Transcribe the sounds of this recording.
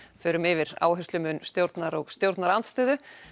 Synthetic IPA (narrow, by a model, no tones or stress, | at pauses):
fʏːɾʏmɪvɪɾa̰ːwɦʏst̪lʏmʏnːst̪jowɾt̪naɾɔɣst̪jowɾt̪naɾant̪st̪ʏːðʏ